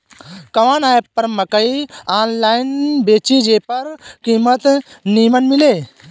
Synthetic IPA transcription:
kɐʋaːnaːepɐɾmɐkɐiaːnlaːinbeːt͡ʃid͡ʒeːpɐɾkiːmət̪niːmənmileː

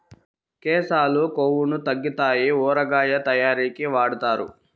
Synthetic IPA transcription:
kɛːsaːlukoːwunut̪ɐɡːit̪aːjiɔːɾɐɡaːjɐt̪ɐjaːɾiːkiʋaːɽut̪aːɾṵ

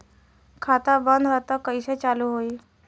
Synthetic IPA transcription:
kʰat̪abənd̪ʱɾat̪akəjɕet͡saluːɦoi

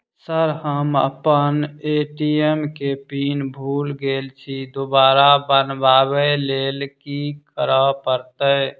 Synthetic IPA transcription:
səɾhəmə̰pəneʈiemkepinbʱulɡelt͡ʃʰid̪obaːɾabənbaβəlelkikəɾəpəɾt̪ə

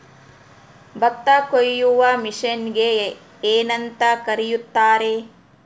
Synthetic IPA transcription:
bɐt̪ːɐkojːuʋɐmiʂɐnɡe | eːnɐnt̪ɐkɐɾijut̪ːaːɾe

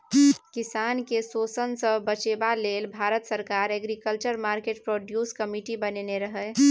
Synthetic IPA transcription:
kɪsaːnkesoːsənsəbət͡ʃeːbaleːlbʱaːɾət̪səɾkaːɾɛɡɾikəlt͡ʃəɾmaːɾkeːʈ̚pɾoːɖjuːskəmiʈibəneneɾəɦɛ

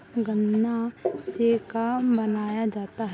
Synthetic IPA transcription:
ɡə̃nasekabɐnaːjad͡ʒaːt̪aɦɛ

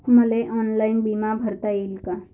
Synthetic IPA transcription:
məleʔɔnlainbimabʱəɾt̪ailka

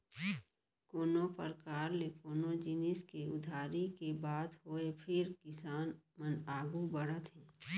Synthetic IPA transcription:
koːnopəɾkaːɾlekoːnod͡ʒɪnɪskeʊd̪ʱaːɾikebaːd̪ɦoːepʰɪɾkɪsaːnmənaːɡubəɽət̪ɦɛ̃ː

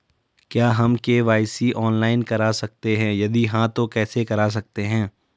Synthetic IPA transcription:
kjaːɦɐmkeʋaːɪsiʔɔːnlaːɪnkɐɾasɐk̚t̪eɦɛ̃jɐd̪iɦãt̪okɛːsekɐɾaːs̬ɐk̚t̪eɦɛ̃ː

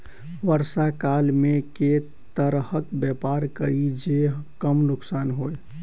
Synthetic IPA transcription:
ʋəɾsakalmeke | t̪əɾhəkbjɛpaɾkəɾid͡ʒeɦkəmnʊksanɦoj

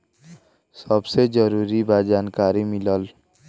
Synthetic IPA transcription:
səbsed͡ʒəɾuːɾibad͡ʒaːnkaːɾimɪləl

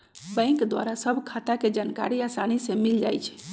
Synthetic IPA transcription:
bə̃ɪ̃ŋkd̪wa̰ɾasəbʱkʰat̪aked͡ʒanka̰ɾiasanisẽmild͡ʒa̰jt͡ʃʰ

